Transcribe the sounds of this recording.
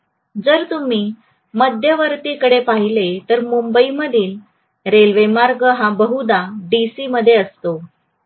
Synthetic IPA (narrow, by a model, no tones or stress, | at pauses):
d͡zəɾt̪um̤iː | məd̪ʱjəʋəɾt̪iːkəɽepaɦilet̪əɾmumbəiməd̪ʱiːl | ɾelʋemaɾɡəɦãbəɦud̪aɖisiːməd̪ʱːjeəst̪o